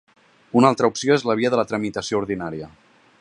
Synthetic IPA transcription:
unalˠt̪ɾəupsioezləβ̞iəðələt̪ɾəmit̪əsiouɾðinaɾiə

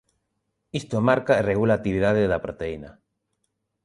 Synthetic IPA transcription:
ist̪omaɾkaereɣulat̪iβiðaðeðapɾot̪eina

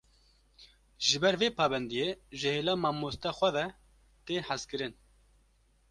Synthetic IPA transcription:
ʒɨbɛɾveːpɑːbɛnd̪ijeːʒɨheːlɑːmɑːmoːst̪ɑːxʷɛðɛ | t̪eːhazkɨɾɨn

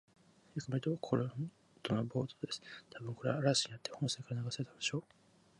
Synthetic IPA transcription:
jokɯmaɾit̪o̞kʰoɾo | t̪onobo̞ːt̪od̪e̞sɨ̥t̪ʰabɯ̟ŋko̞ɾe̞aɾasiɲiat̪ːe̞hõ̞ñsekaɾanaɡasaɾet̪ad̪eɕo̞ː

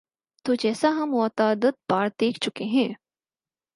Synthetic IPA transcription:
t̪oːd͡ʒɛːsaɦɐmɔːt̪aːd̪ət̪̚baːɾd̪eːkʰt͡ʃʊkeɦɛ̃ː

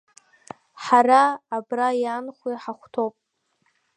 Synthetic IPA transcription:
ħaraːbrajanχʷiħaχʷtʰowpʼ

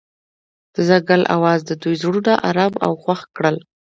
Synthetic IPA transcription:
d̪̥əzaɡalʔa̰wɑzd̪əd̪ujzɽud̪aʔaɾaba̰wxwaxkɽəl

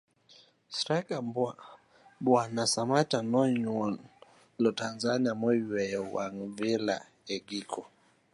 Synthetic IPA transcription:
sɾakambua | bwanasamatanɔɲwɔn | lɔtanzaniamwɛwɛjɔwaŋvila̰ | ɛɡikʰɔ

